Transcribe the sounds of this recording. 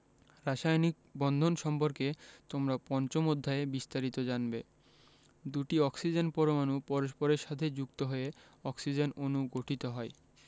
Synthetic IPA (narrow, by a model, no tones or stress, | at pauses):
ɾaʃajnik̚bɔnd̪ʱonʃɔmpoɾket̪omɾapɔnt͡ɕomod̪ʱːaebist̪aɾit̪od͡ʑanbe | d̪uʈiɔksid͡ʑenpɔɾomanupɔɾoʃpoɾeɾʃat̪ʰed͡ʑukt̪oɦoe | ɔksid͡ʑenonuɡoʈʰit̪oɦɔe